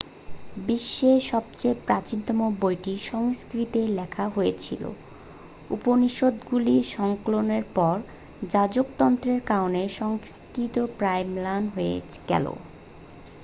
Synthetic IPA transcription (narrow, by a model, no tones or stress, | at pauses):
biʃːeʃɔb̚t͡ɕepɾat͡ɕint̪ɔmobojʈiʃɔŋskɾit̪elɛkʰaɦojet͡ɕʰḭlo̰ | uponiʃod̪ɡuliʃɔŋkoloneɾpɔɾ | d͡ʑad͡ʑokt̪ɔnt̪ɾeɾkaoneʃɔŋskɾit̪opɾajmlanɦojḛ | ɡɛ̰lo̰